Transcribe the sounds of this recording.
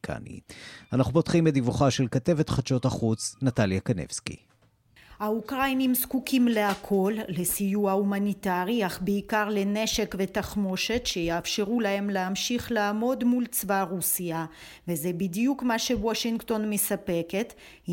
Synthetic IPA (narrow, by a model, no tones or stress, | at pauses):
kʰa̰nḭanaχupo̞tχimedivuχaʃelkat̪e̞vet̪χat͡ʃo̞taχut͡snat̪aljakanḛvskḭ | haukʁajnimskukʰimle̞akʰo̞lːe̞sijuaumanitaʁiaχbeikaʁle̞ne̞ʃe̞kve̞taχmo̞ʃe̞tʃe̞jaːfʃe̞ʁulahe̞mleamʃiχlaːmo̞d̪mult͡svaʁusia | veze̞bidijukmaʃe̞woʃiŋkto̞nmesape̞ke̞t̪